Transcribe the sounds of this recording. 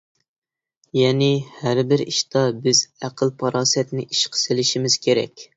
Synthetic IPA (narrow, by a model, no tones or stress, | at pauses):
jɛnɪhæɾbɪɾḭʃt̪ɑbɪzæqʰəlˠpʰɑɾɑːsɛt̪nɪʔiʃqʰə̥sɪlɪʃimɪz̥kʲʰeɾɛ̰kʲ